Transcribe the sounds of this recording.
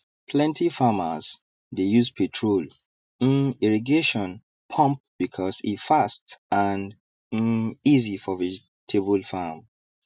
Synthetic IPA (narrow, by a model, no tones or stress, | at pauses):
pʰlɛ̃ntifaməz̥ | dejuzpʰetʰɹol | ĩniɹiɡeʃɔ̃n | pʰɔ̃mp̚b̥ikʰɔsḭfastãn | izifɔvɛd͡ʒ | tʰebəlfam